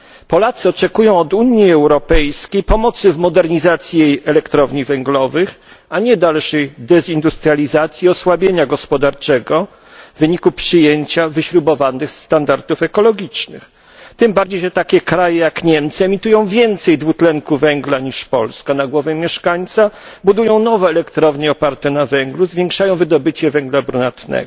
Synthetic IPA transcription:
pɔlat̪sɘɔt͡ʂɛkujɔ̃w̃ɔd̪uɲjiɛwɾɔpɛjskʲejpɔmɔt̪sɘvmɔd̪ɛɾɲizat̪sʲjijejɛlɛkt̪ɾɔvɲivɛŋɡlɔvɘxaɲɛd̪alʂɛjd̪ɛzind̪ust̪ɾʲalʲizat̪sʲjiɔswabʲjeɲaɡɔspɔd̪aɾt͡ʂɛɡɔ | vɘɲikupʂɘjeɲt͡ɕavɘɕɾubɔvanɘxst̪and̪aɾt̪ufɛkɔlɔɡʲit͡ʂnɘ̰x | t̪ɘmbaɾd͡ʑejʐɛt̪akʲɛkɾajɛjakɲɛmt̪sɨɛmʲit̪ujɔ̃w̃vʲjɛnt̪sɛjd̪vut̪lɛŋkuvɛŋɡlaɲiʂpɔ̰lskanaɡwɔvɛmʲjɛʂkaɲt̪sabud̪ujɔ̃w̃nɔvɛːlɛkt̪ɾɔvɲiɔpaɾt̪ɛnavɛŋɡluzvʲjeŋkʂajɔ̃w̃vɘd̪ɔbɘt͡ɕɛvɛŋɡlabɾunat̪nɛ̰ɡɔ

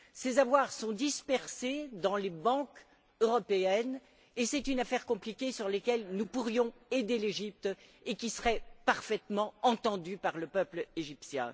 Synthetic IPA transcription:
sezavwaʁsɔ̃d̪ispɛʁsed̪ɑ̃lebɑ̃k | øʁɔpeɛn | esɛt̪ynafɛʁkɔ̃plikʲesyʁlekʲɛlnupuʁjɔ̃ed̪eleʒip̚t̪ekʲisəʁɛpaʁfɛt̪mɑ̃ɑ̃t̪ɑ̃d̪ypaʁləpœpleʒipsjɛ̰̃

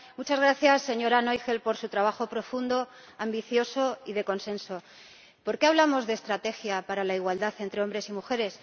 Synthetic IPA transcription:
mut͡ʃazɣ̞ɾaθjasːe̞ɲo̞ɾano̞jxe̞lpo̞ɾsut̪ɾaβ̞axo̞pɾo̞fund̪o̞ | ambiθjo̞so̞iðe̞ko̞nsẽ̞nso̞ | po̞ɾke̞aβlamozðe̞ːst̪ɾat̪e̞xjapaɾalaiɣwald̪aθe̞nt̪ɾe̞o̞mbɾe̞simuxe̞ɾe̞s

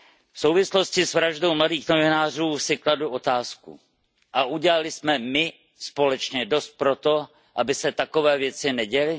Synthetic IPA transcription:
fsowvɪslo̞scɪsvɾaʒdo̞wmladiːxnovɪnaːr̝uːsɪkladuʔo̞t̪aːskṵ | ʔaʔuɟɛlalɪsmɛmɪ | spo̞lɛt͡ʃɲɛdo̞st̪̚pɾo̞t̪o̞ | ʔabɪsɛt̪ako̞vɛːvjɛt͡sɪnɛɟɛlɪ

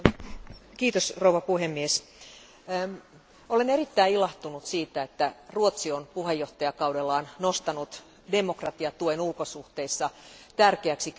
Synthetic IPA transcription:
kiːt̪osrouʋɑpuhemːies | olenerit̪ːæiilɑht̪unut̪siːt̪æet̪ːæruot̪sionpuhejoht̪ɑjɑkɑudelːɑːnnost̪ɑnut̪ | demokrɑt̪iɑt̪uoenulkosuht̪eisːɑt̪ærkeæksi

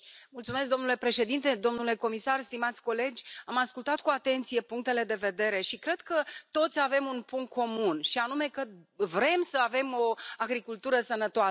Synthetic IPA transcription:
mult̪sume̞s̬k̚d̪o̞nule̞pɾe̞ʃe̞d̪int̪e̞d̪o̞mnule̞ko̞misarst̪imat̪sʲko̞le̞d͡ʒʲamaskult̪at̪̚kuat̪e̞nt̪sije̞puŋk̚t̪e̞le̞d̪e̞ve̞d̪e̞ɾe̞ʃikɾe̞d̪̥kət̪o̞t̪sʲave̞munpuŋkkʰːo̞munʃianume̞kəvɾe̞msəave̞mo̞aɡɾikult̪uɾəsənət̪oaə

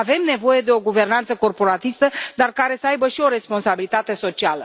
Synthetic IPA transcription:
ave̞mne̞vo̞je̞d̪e̞o̞ɡuve̞rnant̪səko̞rpo̞ɾat̪ist̪əd̪arkaɾe̞səajbəʃio̞ɾe̞spo̞nsabilit̪at̪e̞so̞t͡ʃialə

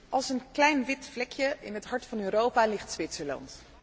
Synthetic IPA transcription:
ʔɑlˠsənklɛjnʋɪtflɛkjəʔɪ̰nɦətɦɑɹtfɑnøːɾowpaːlɪχtsʋɪtsəlɑ̰nt

